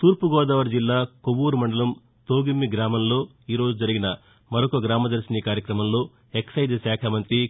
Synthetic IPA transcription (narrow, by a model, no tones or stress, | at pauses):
t̪uːɾpuɡɔːd̪ɐːʋɐɾd͡ʒilːaːkoʋuːɾumɐɳɖɐlɐm | t̪oːɡimːiɡɾaːmɐmlo̞ː | iːɾo̞ːd͡ʒud͡ʒɐɾiɡinɐ | mɐɾokoːɡɾaːmɐd̪ɐɾsinikaːɾjɐkɾɐmɐmlo̞ː | eksɐjd̪saːkʰɐmɐnt̪ɾi